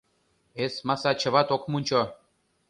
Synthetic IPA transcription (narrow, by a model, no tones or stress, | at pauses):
esmasat͡ɕʰə̆vat̪okmunʲt͡ɕo